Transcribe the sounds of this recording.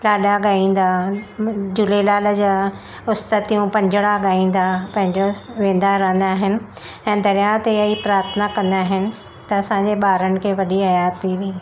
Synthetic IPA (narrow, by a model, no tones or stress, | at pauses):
laːɗaɡaːĩːn̆d̪a | d͡ʑʊlelaːld͡ʑaː | ʊst̪ət̪ijũpɐ̃ɲd͡ʑɪɽaɡaːĩːn̆d̪apɐ̃ɦɪ̃ɲd͡ʑoʋẽːn̆d̪aɾɐɦə̃nd̪aːɦɪnɪ̆ | ɛ̃ːd̪ɐɾijat̪eɐipɾaːɾət̪ʰənakɐ̃nd̪aːɦɪnɪ̆ | t̪ɐɐsãɲd͡ʑeɓaːɾənɪ̆kʰeːʋɐɗiɐjaːt̪ʰiɗiː